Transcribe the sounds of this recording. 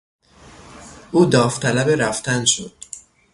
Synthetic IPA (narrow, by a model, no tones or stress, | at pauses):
ʔuːd̪ɒːft̪ʰælæbeɾæft̪ʰænʃo̰d̪̥